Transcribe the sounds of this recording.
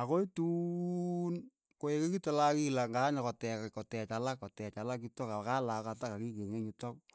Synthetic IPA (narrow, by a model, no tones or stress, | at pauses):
akoitu | n | koekekitolakilaŋɡaɲakɔtɛkkɔtɛt͡ʃalakɔtɛt͡ʃalak̬itɔkakalakatakakikeŋeɲutɔk̚